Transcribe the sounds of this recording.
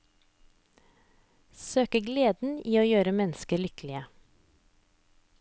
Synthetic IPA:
søːkəɡleːd̪n̩iːoːjøːɾəmɛnskəlʏklɪə

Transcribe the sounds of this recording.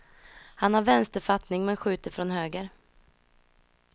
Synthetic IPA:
hanhaɾvɛnst̪əɾfat̪nɪŋmɛnɧʉ̟ːt̪əɾfɾɔnɦøːɡəɾ

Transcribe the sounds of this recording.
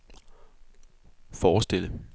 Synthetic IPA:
fɒːsd̥e̝l̰ə

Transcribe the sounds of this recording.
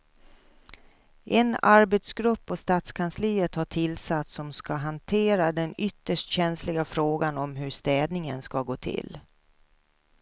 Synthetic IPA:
ʔɛnaɾbɛt̪sɡɾɵpːɔst̪aːt̪skʰansliːət̪haʈʰɪlsat̪sɔmskaɦant̪ʰeːɾad̪ɛnʏt̪ːəʂʈɕɛnslɪɡafɾoːɡanɔmɦɵʂt̪ɛːd̪nɪŋənskaɡoːt̪ʰɪ̰l

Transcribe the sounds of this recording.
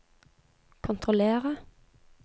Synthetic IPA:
kʰʊnt̪ʰʁʊleːʁə

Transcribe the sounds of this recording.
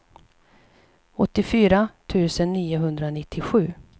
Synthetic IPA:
ɔt̪ːɪfyːɾat̪ʰʉ̟ːsənːiːʊɦɵnd̪ɾanɪt̪ʰːɪɧʉ̟ː

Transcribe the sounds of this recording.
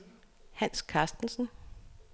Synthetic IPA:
hæn̰skʰɑ̈ːsd̥n̩sn̩

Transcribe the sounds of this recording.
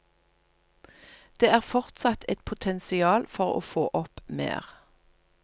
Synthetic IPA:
d̪̥eːæːʁfɔʁt̪sɑt̪ʰɛt̪pʰʊt̪ʰɛnsɪɑːlfɔʁo̰ːfoːʔɔpmḛːʁ

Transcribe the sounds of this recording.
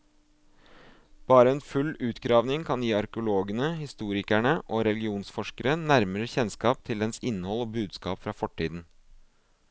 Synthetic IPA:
b̥ɑːɾəɛːnfʉlʉːt̪ɡɾɑːʋnɪŋkʰɑnjiːɑɾkəʊloːɡənəhɪst̪uːɾɪkæɳəʔoːɾɛlɡɪuːnsfɔʂkəɾənæɾməɾəçɛnskɑːp̚t̪ʰɪld̪ɛnsɪnːəhɔloːbʉːd̪skɑːpfɾɑːfɔʈʰːiːd̪n̩

